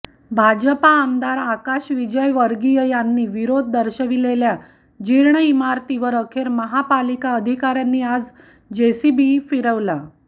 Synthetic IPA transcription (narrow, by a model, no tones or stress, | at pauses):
bʱad͡ʑəpaːmd̪aɾakaɕʋid͡ʑəjʋəɾɡijəjanːiːʋiɾod̪̚ʱd̪əɾɕəʋilelja | d͡ʑiɾɳəimaɾt̪iʋəɾəkʰeɾməɦapalikaəd̪ʱikaɾjanːiːad͡z | d͡ʑesibifiɾəʋla